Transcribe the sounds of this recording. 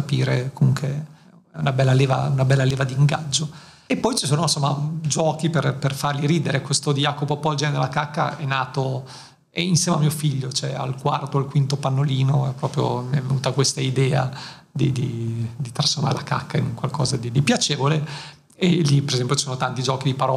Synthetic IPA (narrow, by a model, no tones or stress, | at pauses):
apiːɾekomuŋkwe | ɛunabɛlːaleːva̰unabɛlːaleːvad̪iːŋɡa̰d͡ʒːo | epːɔjt͡ʃisoːnonsomːad͡ʒɔːkiperperfarliɾiːd̪eɾekwest̪od̪ijaːkopopɔd͡ʒɛned̪elakakːa̰ɛnːaːt̪o | ɛinsjɛːmeamːiofiʎːot͡ʃoɛa̰lkwart̪oalkwint̪opanːoliːnoɛpːɾɔːpɾjo̰miɛvenuːt̪akwest̪aid̪ɛːad̪id̪id̪it̪ɾasfoɾma̰ɾḛlaka̰kːaiŋkwalkɔːzad̪id̪ipjat͡ʃeːvole | elipeɾezɛmpjot͡ʃisoːnot̪ant̪id͡ʒɔːkid̪ipaɾɔː